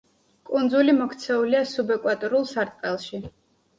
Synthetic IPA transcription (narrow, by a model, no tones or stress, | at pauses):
kʼund̪zulimɔkʰt̪sʰɛuliasubɛkʼwat̪ʼɔɾulˠsaɾt̪ʼqʼɛlˠʃi